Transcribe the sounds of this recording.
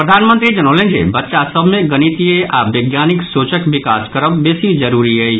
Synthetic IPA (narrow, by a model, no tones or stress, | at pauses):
pɾɐd̪ʱaːnmə̃nt̪ɾid͡ʒɐnoːlẽnd͡ʒḛbɐtːʃasɐbʱmẽɡɐñit̪ieʔaːʋɐːɡjaːnɪksoːt͡ʃəkʋɪkaːskɐɾəbbeːsid͡ʒɐɾuːɾiɦɛː